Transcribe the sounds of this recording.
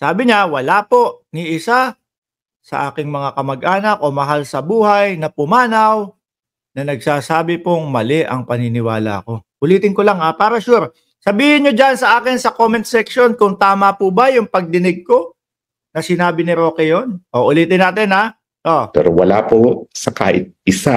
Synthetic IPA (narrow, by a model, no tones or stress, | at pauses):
saːbɪɲawɐlaːpo̞ʔniʔɪsa | sɐ̰ʔa̰ːkɪŋmɐŋakɐmɐɡʔaːnɐk̚ʔo̞mɐɦalsɐbuːhɐjnɐpʊmaːnɐw | nɐnɐɡ̚saːsaːbɪpoŋmɐlɛʔɐ̰ŋpɐnɪnɪwaːlɐ̰ɐ̰ko̞ʔʊliːt̪ɪnkolaŋhapaːɾɐʃuɾ | sɐbiːhɪnɲod͡ʒansɐʔaːkɪnsɐkoːmɛnt̪sɛkʃo̞nkʊŋt̪aːmɐpubɐjʊŋpɐɡ̚d̪ɪnɪɡ̚ko̞ | nɐsɪnaːbɪnɪɾo̞ːkɛjonʔoʔʊliːt̪ɪnːaːt̪ɪnha | ʔopɛ̰ɾowɐ̰la̰ːposɐka̰ːʔɪ̰t̪̚ɪsa